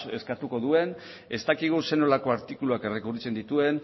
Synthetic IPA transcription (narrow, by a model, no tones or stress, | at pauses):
e̞skat̪uko̞ðue̞n | e̞st̪akiɣ̞use̞no̞lako̞aɾt̪ikuluake̞re̞kurit͡se̞nd̪it̪ue̞n